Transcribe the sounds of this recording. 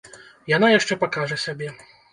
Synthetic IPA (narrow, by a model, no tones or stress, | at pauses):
janajaʂt͡ʂɛpakaʐɛsʲabʲɛ